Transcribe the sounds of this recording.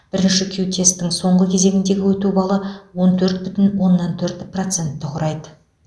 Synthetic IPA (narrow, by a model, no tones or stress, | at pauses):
b̥ɪɾɪnʃɪkʲʰewt̪ʰe̞spt̪ɪŋso̞ɴʁəkʲʰe̞ze̞ɡʲɪnd̪e̞ɡʲɪwɵt̪ubɑlˠəwo̞nt̪ʰɵɾt̪̚bʏt̪ɪnwo̞nːɑnt̪ʰɵɾt̪pro̞t̪se̞nt̪ːɪqʰʊɾɑjd̪ə